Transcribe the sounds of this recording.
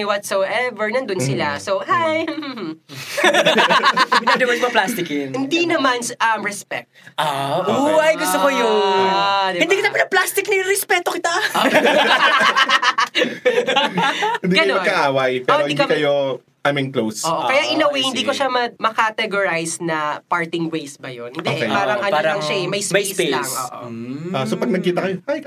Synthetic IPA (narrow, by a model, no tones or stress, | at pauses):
wɔt̪sowʔɛvɛɹnɐnd̪ʊnsɪlasowhajhh̩ | ad̪ɐmɐnmɐplast̪ɪkɪhɪ̃nd̪inɐmanʔɐmɹɛspɛ̰k̚t̪ʔaʔowɐjɡʊst̪okojʊad̪ɛɪnb̪ikɐnɐpɪnɐplast̪ɪk̚nɐɪɾɛspɛt̪okɪt̪ao | ɪ̃nd̪iɡɐk̪oɐɡkːɐʔaːwɐjpɛõɾoɪiikiɐkɐjo | ʔamɪŋklowsʔoʔokɐjaʔɪnɐwihɪnd̪iːkoʃamɐmɐkat̪ɛɡoɹajsnɐpaɹt̪ɪŋwejsbɐjonhɪnd̪oʔeʔpaːɾɐŋʔɐolɾɐŋʃaɛmɐjsmɐjɪselaŋso̰ʔoasopɐɡ̚nɐɡ̚kːiːt̪ɐkɐjoaj